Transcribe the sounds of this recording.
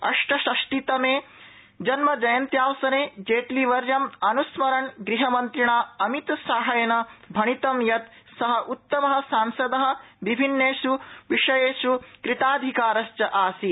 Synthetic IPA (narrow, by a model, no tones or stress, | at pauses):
ɐ̰ʂʈɐʃɐʃʈit̪ɐmeː | d͡ʒɐnmɐd͡ʒɐjɐnt̪jaːʋɐsɐneːd͡ʒeːʈliʋɐɾjɐmɐnusmɐɾɐɳɡɾiɦɐmɐnt̪ɾiɳaːɐmit̪saːɦɐjɐnɐbʱɐɳit̪ɐmjɐt̪ | sɐɦɐʔut̪ːɐmɐɦɐ̆saːmsɐd̪ɐɦɐ̆ʋibʱinːeːʃuʋiʂɐjeːʃukɾit̪aːd̪ʱikaːɾɐʃt͡ʃɐʔaːsi